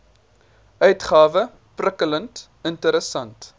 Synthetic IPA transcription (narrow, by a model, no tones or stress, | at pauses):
ʔœɥtχɑːvə | prəkələnt | əntəɾəsɐnt